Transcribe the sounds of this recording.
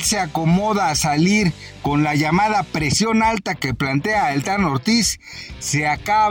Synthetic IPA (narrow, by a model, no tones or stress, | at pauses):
seakomoðaːsaliɾ | konlaʝamaðapɾesjo̞nalt̪akeplant̪eaelt̪anoɾt̪isː | eaka